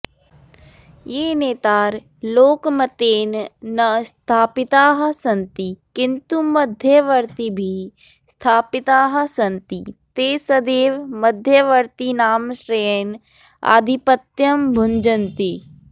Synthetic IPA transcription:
jeːneːt̪aːɾ | loːkmɐt̪eːnnɐst̪ʰaːpɪt̪aːɦsɐ̃nt̪ikɪnt̪umɐd̪ʱjəʋəɾt̪ibʱi | st̪ʰaːpɪt̪aːɦɐsɐnt̪it̪eːsəd̪eːʋmɐd̪ʱjəʋəɾt̪inaːmʃɾeːn | a̰ːd̪ʱipət̪jəmbʱʊnd͡ʒənt̪i

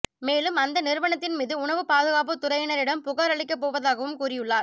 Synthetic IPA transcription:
meːlɯmɐnd̪ɐnɪɾɯʋɐɳɐt̪ːɪnmiːðɯʊɳɐʋɯpaːðɯɣaːp̬ɯt̪ʊɾɐjɐnɐɾɪɽɐmpʊɣaːɾɐɭɪkːɐp̬ːoːʋɐðaːɣɐʋɯmkuːrɪjɯɭːaːɾ

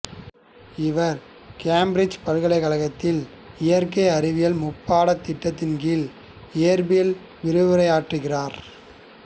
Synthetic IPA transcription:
ɪʋɐɾ | kaːmbɾɪd͡ʒpɐlɣɐɭɐɪɣɐɭɐɣɐt̪ːɪl | ɪjɐɾkɐɪɐɾɪʋɪjɐlmʊpːaːɽɐt̪ːɪʈːɐt̪ːɪnkɪl | eːɾbɪjɐl | ʋɪɾɯʋɪɾɐɪaːʈrɯɣɪraːɾ

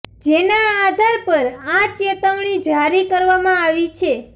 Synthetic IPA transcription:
d͡ʒenaːd̪ʱaɾpəɾãt͡ʃet̪əʋɳ̃id͡ʒʱaɾikəɾʋamãaʋit͡ʃʰe

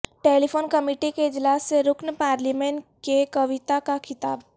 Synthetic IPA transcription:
ʈeːlipʰoːnkɐmiːʈikeɪd͡ʒlaːsːeɾʊknpaːɾliːmẽːɳʈkekɐʋɪt̪akakʰɪt̪aːb

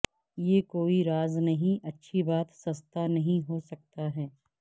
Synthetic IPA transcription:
jeːkoːiɾaːznɐɦĩʔɐtːʃʰibaːt̪sɐst̪anɐɦĩɦosɐk̚t̪aɦɛː

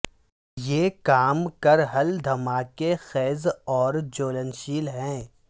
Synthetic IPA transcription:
jeːkaːmkɐɾɦɐld̪ʱɐmaːkexɛːzɔːɾd͡ʒoːlənʃiːlɦɛ̃ː

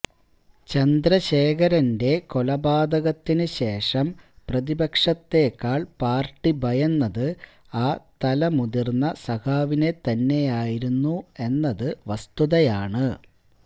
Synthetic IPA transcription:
t͡ɕɐnd̪ɾɐɕe̞ːkɐɾɐnde̞ko̞lɐbaːd̪ɐɣɐt̪ːinɨɕe̞ːʂɐmprɐðibɐkʂɐt̪ːe̞ːkːaːɭpaːrʈːibʱɐjɐnːɐðɨ | aːt̪ɐlɐmuðirnːɐsɐkaːʋine̞t̪ɐnːe̞jaːjiɾunːue̞nːɐðɨʋɐst̪uðɐjaːɳɨ

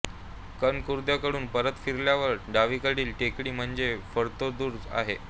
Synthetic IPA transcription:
kənkuɾd̪jakəɽuːnpəɾət̪fiɾljaʋəɾɖaʋikəɽiːlʈekɽiːm̤əɳd͡zefəɾt̪od̪uːɾd͡za̰ɦe

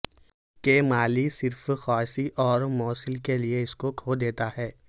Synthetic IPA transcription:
kemaːlisɪɾfxɔːsiʔɔːɾmɔːsɪlkelieɪskokʰoːd̪eːt̪aɦɛː

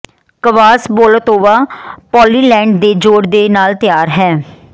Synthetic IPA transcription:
kəʋaːsboːlət̪oːʋaːpɔːliːlɛ̃ːɳɖd̪eːd͡ʒoːɽd̪eːnaːlt̪ɪjaːɾɦɛː

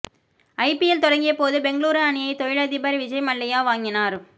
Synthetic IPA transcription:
ɐɪpɪjɛlt̪ɔɽɐŋɡɪjɐpoːðɯbɛŋɡɐɭuːɾɐɐnɪjɐɪt̪ɔjɪɭɐðɪbɐɾiʋɪd͡ʒɐɪmɐɭːɐjaːʋaːŋɡɪnaːɾ

